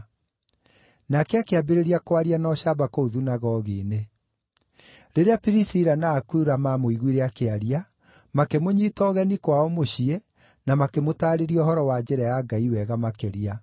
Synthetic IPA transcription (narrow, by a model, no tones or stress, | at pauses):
nakɛakeabeɾeɾiakwaɾianɔɕabakouðunaɣɔɣine | ɾeɾeapiɾisiɾanaːkuɾamamoiɣwiɾeakeaɾia | makemoɲitɔɣɛnikwaɔmoɕiɛ | namakemotaːɾeɾiɔhɔɾɔwad͡ʑɛɾɛjaɡaiwɛɣamakeɾia